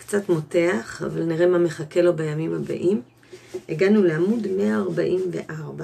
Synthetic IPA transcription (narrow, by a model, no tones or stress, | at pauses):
kt͡satmo̞te̞aχa̰valniʁe̞mame̞χake̞lo̞bejamimhaba̰ʔim | eɡanuleamudme̞aːʁba̰ʔimve̞̰ʔaʁba